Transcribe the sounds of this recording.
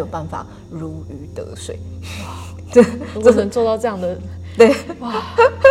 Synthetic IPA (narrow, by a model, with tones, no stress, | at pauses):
jo˨˩ʊpa˥˩nfa̰˨˩˦ | ɻu˧˥y˧˥t̪ɤ̰˧˥ʂwe˨˩ɪ | t̪we˥˩˧o˥˩nə˧˦nt͡swɔ˥˧ʊt̪ɑ˥˧ʊʈ͡ʂɤ˥˧jɑ˥˩ŋd̪ə˩t̪we˥˧˩ɪwa˥˩